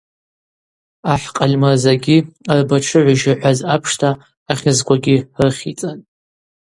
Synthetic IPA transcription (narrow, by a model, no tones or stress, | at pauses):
aħqʼalʲmazaɡʲiarbaʈ͡ʂʰɨʕʷaʒaħʷazapʰʂtʰaː | χʲɪzkʷaɡʲirɨχʲit͡sʼan